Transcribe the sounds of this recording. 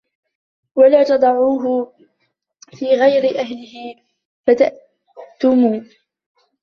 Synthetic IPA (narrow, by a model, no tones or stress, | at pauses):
walaːt̪ɑd̪ˤɑʕuːɦʊ | fiːɣajɾɪʔaɦlɪɦɪ | fat̪aʔ | t̪ʊmuː